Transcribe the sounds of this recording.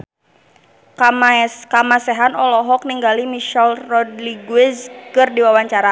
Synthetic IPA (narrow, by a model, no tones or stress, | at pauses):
kamasɛɦanɔlɔɦɔk̚niŋɡalimiʃɛlrɔdliɡwɛskɨrdiwawaɲt͡ʃaɾa